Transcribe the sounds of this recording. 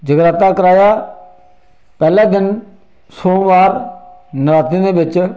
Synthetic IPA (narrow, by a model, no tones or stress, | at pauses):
d͡ʒəɡɾaːt̪aːkəɾaːjaː | pɛːlãːd̪ɪn | soːʋaːɾnəɾaːt̪iːnẽːbɪt͡ʃ